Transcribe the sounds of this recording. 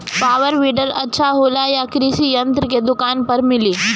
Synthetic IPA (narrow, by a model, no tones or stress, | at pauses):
paːʋəɾʋiːɖəɾɐtːʃʰaɦoːlajakɾiʃijɐnt̪ɾəked̪ʊkaːnpɐɾmɪliː